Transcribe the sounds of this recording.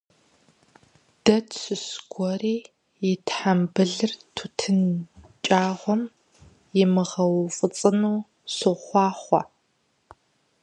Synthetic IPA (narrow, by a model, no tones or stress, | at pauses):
d̥ɐtʰɕʷɨsɡ̥ʷɔriː | jɪtʰħambɨɮɨrtʰutʰɨnt͡ʃʼaːʁʷɔm | jɪmɨʁɐwfʼɨt͡sʼɨnuː | sɨχʷɑːχʷɔ̰